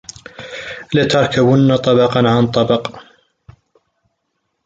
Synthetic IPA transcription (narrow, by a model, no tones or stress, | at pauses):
lɪt̪ɑɾˤkʰabʊnːat̪ˤɑbɑqɑnʕant̪ˤːɑbɑq